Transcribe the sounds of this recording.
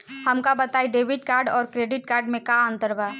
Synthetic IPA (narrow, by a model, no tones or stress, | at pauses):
həmkabət̪aːiɖeːbɪʈ̚kaːɾɖɔːɾkɾeːɖɪʈ̚kaːɾɖmẽkaə̃nt̪əɾba